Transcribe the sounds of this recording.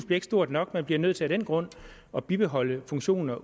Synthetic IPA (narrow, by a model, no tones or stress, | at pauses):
sb̥liɐeɡ̥əsd̥o̝ɐ̰d̥nɒ̽ɡ̥̚mænb̥liɐnøð̰ˠt͡sʰe̝æɾ̥enɡ̥ʁɔ̽n̰ | ɒ̽b̥ib̥e̝ɦɒ̽ləfɔ̽ŋɕo̝̰ːnnɐ